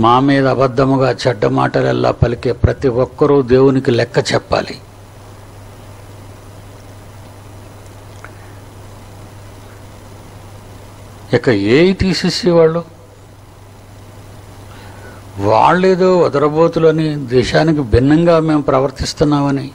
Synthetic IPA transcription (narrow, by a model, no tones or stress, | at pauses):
maːmiːd̪ɐːbɐd̪ːɐmuɡaːt͡ʃɛɖːɐma̰ːʈɐlɛ̰lːa̰ːpɐlike̞ːpɾɐt̪iʋɔkːɐɾud̪e̞ːwunikilɛkːɐt͡ʃɛpːa̰ːlḭ | ikːɐeːjit̪iːsesiːʋaːɭːu | ʋa̰ːɭːeːd̪oːɔd̪ɐɾɐboːt̪uloːnid̪ɛːʃaːnik̬ibʱinːɐŋɡaːme̞ːmpɾɐʋɐɾt̪ist̪unːaːmɐni